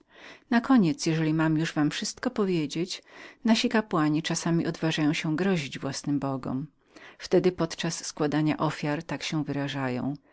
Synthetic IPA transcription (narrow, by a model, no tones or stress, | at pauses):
nakɔɲɛt̪sjɛʐɛlʲimamjuʐvamfʂɘst̪kɔpɔvʲjed͡ʑet͡ɕnaɕikapwaɲit͡ʂasamʲiʔɔd̪vaʐajɔ̃w̃ɕɛɡɾɔʑid͡ʑvwasnɘmbɔɡɔ̰m | ft̪ɛd̪ɘpɔt̪t͡ʂasːkwad̪aɲa̰ʔɔfʲjaɾt̪akɕɛw̃vɘɾaʐajɔ̰̃w̃